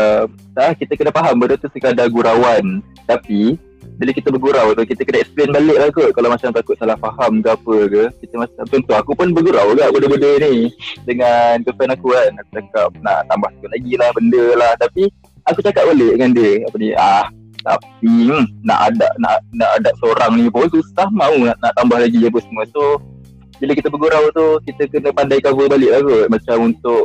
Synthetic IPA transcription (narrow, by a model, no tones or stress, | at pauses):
əm | ahkit̪əkənafaɦambədət̪usəkadaɡuɾawan | t̪api | bilawkit̪əbərɡuɾawt̪ukit̪əkənaɛksplenbalɪʔ̚lahkoʔkalawmat͡ʃamt̪akʊt̪səlahfaɦamɡaʔapəkəkit̪əmat͡ʃamt͡ʃɔnt̪ʊɦakupʊnbərɡuɾawɡaʔbədəbədənidəŋankəfanakukanaku̥t͡ʃakap̚na̰ʔt̪ambaht̪ḁkʊʔnlaɡilahbəndəlaht̪api | akut͡ʃakap̚bolɛʔdəŋandiəapəniah | t̪a̰p̚ina̰ʔada̰ʔ̚na̰ʔʔnaʔadap̚səoɾaŋnipʊnsust̪ahmãunaʔnaʔt̪ambahlaɡiap̬əsəmuət̪o | biləkit̪əbəɡuɾawt̪ukit̪əkənə̃pandajkabəbalɪʔlaɡʊʔ̪̚mat͡ʃamunt̪ʊʔ